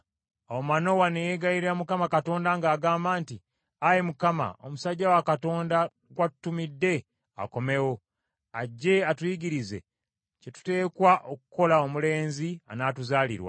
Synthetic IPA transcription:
omano̞wanejeɡajiɾiamukamakato̞ːndaŋɡaːɡaːmbaːnti | aje̞mukama̰o̞̰musaɟːawakato̞ːnda | ɡwatu̥tːumidːe̞ | a̰ko̞me̞wo̞ | aɟːe̞atujiɡiɾize̞̰ | ce̞tu̥te̞ːkwaʔokuko̞lao̞mule̞ːnzia̰naːtuzaːlḭɾwa̰

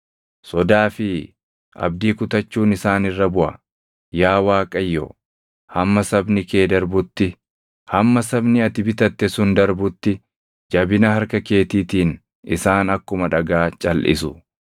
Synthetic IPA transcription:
sɔd̪aːfɪ | ʔɐ̰bd̪iːkʊt̪ɐt͡ʃːuːnɪsaːnɪrːɐbʊʔɐ̰ | jaːwaːkʼɐjːɔ̰ | hɐmːɐsɐbnɪke̞ːd̪ɐɾbʊt̪ːɪ | hɐmːɐsɐbnɪɐt̪ɪbɪt̪ɐt̪ːɛsʊnd̪ɐɾbʊt̪ːɪ | d͡ʒɐbɪnɐhɐɾkɐke̞ːt̪iːt̪iːn | ɪsaːnɐkːʊmɐᶑɐɡaːt͡ʃʼɐlʔɪ̰sʊ

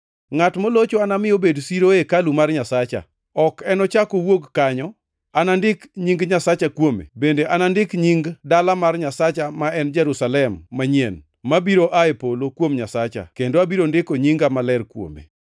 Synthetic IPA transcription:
ŋatmolot͡ʃoanamɪjobedsiɾoekalumarɲasat͡ʃa̰ | ɔkɛnɔt͡ʃakowokːaɲɔ | anandɪkɲiŋɡɲasat͡ʃakwomḛbendeʔanandɪkɲiŋɡdalamarɲasat͡ʃamaɛnd͡ʒɛɾusalɛmːaɲien | mabiɾoʔaepolokwomɲasat͡ʃa̰kendoabiɾondɪkoɲiŋɡamalɛrkwo̰mḛ

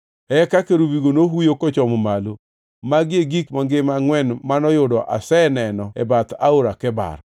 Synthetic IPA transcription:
ɛkakeɾubiɡonoɦujokɔt͡ʃɔmɔmalo | maɡɪeɡikmaŋɡɪmaŋwɛnmanɔjʊdɔʔa̰sɛnɛnɔɛ̰bat̪a̰oɾakɛba̰ɾ

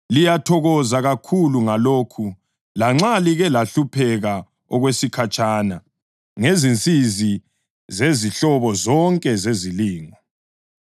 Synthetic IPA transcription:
lijatʰɔɣɔzaɣakʰuluŋaloːkʰu | laŋ͡ǁaliɣɛlaɬupʰɛɣa | ɔɣwesikʰat͡ʃʼaːna̰ | ŋezint͡sʼizi | zeziɬɔβɔzɔŋkʼɛzeziliːŋɔ

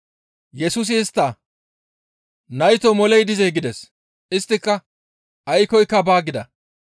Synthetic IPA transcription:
jɛsʊs̬ɪːst̪ːa | nɐjt̪ɔmɔlɛjd̪ɪzɛjɡɪd̪ɛs | ɪst̪ːɪkːɐ | ʔɐjkɔjkːɐbaːɡɪd̪ɐ

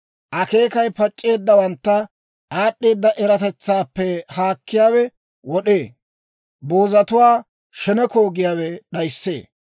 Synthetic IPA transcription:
ʔɐke̞ːkɐjpɐt͡ʃʼːe̞ːd̪ːɐwɐnt̪ːɐ | ʔaːɗːe̞ːd̪ːɐʔɛɾɐt̪ɛt͡sːaːpːɛhaːkːɪjaːwɛ | wɔɗe̞ː | bo̞ːzɐt̪ʊwaː | ʃɛnɛko̞ːɡɪjaːwɛɗɐjsːḛː

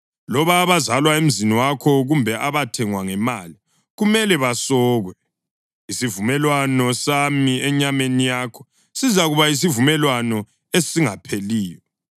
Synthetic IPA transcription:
lɔβaːβazalwaem̩ziniwakʰɔɣumbʱɛʔaβatʰɛŋwaŋɛmali | ɣumɛlɛβasɔːɣwɛ | isivumɛlwanɔsamiɛɲamenijaːkʰɔ̥ | sizaɣuβais̬ivumɛlwanɔ | esiŋapʰeliːjɔ

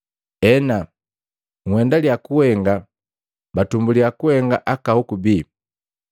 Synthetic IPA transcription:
ɛna | ŋwɛndaliakuhɛŋɡa | batumbuliakuhɛŋɡaʔakahukubi

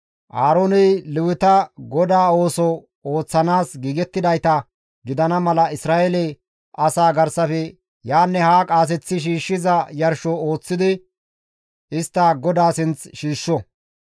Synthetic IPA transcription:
ʔaːɾoːnɛjlɪwɪt̪ɐɡɔd̪aːo̞ːsɔ | o̞ːt͡sːɐnaːsɡiːɡɛt̪ːɪd̪ɐjt̪ɐ | ɡɪd̪ɐnɐmɐlɐɪsɾaːʔɛlɛ | ɐsaːɡɐɾsɐfɛ | jaːnːɛhaːkʼaːs̬ɛt͡sːɪʃ̬iːʃːɪzɐjɐɾʃɔo̞ːt͡sːɪd̪ɪ | ɪst̪ːɐɡɔd̪aːsɪnt͡sʃiːʃːɔ

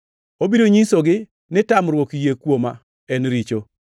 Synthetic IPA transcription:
obiɾoɲisoɡɪ | nɪtamɾwokjekwoma̰ | ɛnɾit͡ʃo

